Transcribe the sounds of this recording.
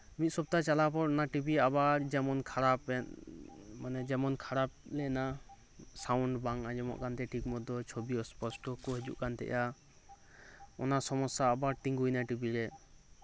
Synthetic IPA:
mit̪̚sɔb̚t̪at͡ʃalapɔɾɔnaʈibiabaɾd͡ʒɛmɔnkʰaɾapɛn | manɛd͡ʒɛmɔnkʰaɾap̚lɛna | sawɳɖbaŋad͡ʒɛmɔ̰ʔkant̪ɛʈʰikmɔd̪ɔt͡ʃʰobiɔspɔsʈɔkɔɦɛd͡ʒṵʔkant̪ɛ̰ʔja | ɔnasɔmɔsaːbaɾt̪iŋɡujnaʈibiɾɛ

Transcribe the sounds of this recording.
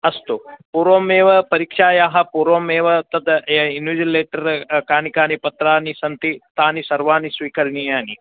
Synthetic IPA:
ɐst̪opuɾʋoːmeːʋɐpɐɾikʂaːjaːɦɐ̆puɾoːmeːʋɐt̪ɐd̪einuːd͡ʒileːʈɐɾkaːnikaːnipɐt̪ɾaːnisɐnt̪it̪aːnisɐɾʋaːnisʋiːkɐɾnijaːni

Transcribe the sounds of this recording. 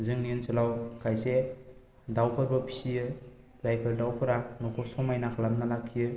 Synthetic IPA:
zɯŋninsʰɯlawkʰajse | dawpʰɯɾbɔpʰi̥siɯ | zajpʰeɾdawpʰɯɾanɔkʰɔsɔmajnakʰalamnalakʰːijɯ

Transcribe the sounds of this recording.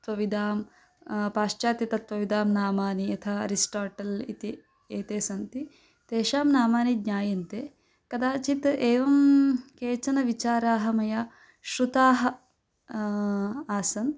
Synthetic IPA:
t̪ʋɐʋid̪aːm | paːʃt͡ʃaːt̪jɐt̪ɐt̪ʋɐʋid̪aːmnaːmaːniɐt̪ʰaɐ̰ɾisʈaːʈɐlḭt̪i | eːt̪eːsɐnt̪i | t̪eːʃaːmnaːmaːnid̪ɲaːjɐnt̪eː | kɐd̪aːt͡ʃit̪eːʋɐmkeːt͡ʃɐnɐʋit͡ʃaːɾaːɦɐmɐjɐ | ʃɾut̪aːɦɐ | aːsɐn

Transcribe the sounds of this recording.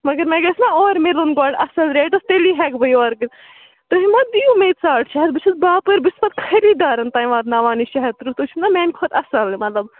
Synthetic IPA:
mɐɡɐɾmɛ̃ɡɐsnaɔːɾmelonɡoːɖɐsɐlɾeːʈ̪ɐst̪eliːɦɛːkbɐjɔːɾɡɨ | t̪ɐɦimɐd̪ijumeːt̪saːʈʃɐɦɐd̪̚bɨt͡ʃʰɐsbaːpɐɾbispɐt̪̚kʰɐɾiːd̪aːɾɐnt̪aːĩʋaːd̪naʋaːniːʃɐɦɐt̪ɾut̪ut͡ʃʰunamɛːnkʰoːt̪ɐsɐlmɐt̪lɐb

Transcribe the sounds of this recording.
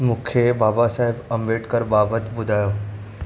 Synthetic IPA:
mũːkʰebaːbasaːɦɪbə̃mbeːʈkəɾbaːbət̪bʊd̪ʱaːjoː

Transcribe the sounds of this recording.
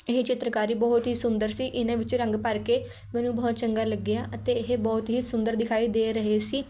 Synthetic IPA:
eɦet͡ʃɪt̪ɾəkaːɾiːbɔːt̪ɦiːsʊnd̪əɾsiːʔɪnãːʋɪt͡ʃɾə̃ŋɡpəɾkeː | mɛ̃ːnũːbɔːt̪t͡ʃəŋɡaːləɡɪjaːʔət̪eːɪɦebɔːt̪ɦiːsʊnd̪əɾd̪ɪkʰaːiːd̪eːɾəɦeːsiː

